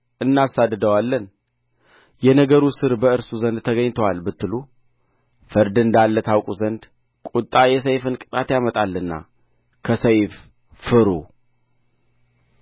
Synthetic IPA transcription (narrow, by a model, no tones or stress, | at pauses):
ʔɨnːasad̪ːɨd̪əwalːən | jɛnəɡəɾusɨɾbəɨɾsuzənd̪̚t̪ʰəɡəɲt̪ʰəwalbɨt̪ːɨlu | fɨɾd̪ɨnd̪alːət̪ʰawkʼuzənd̪ | kʼut̪ʼːajɛs̬əjfɨnkʼɨt̪ʼat̪jamət̪ʼalːɨnːa̰ | kʰəsəjf | fɨɾu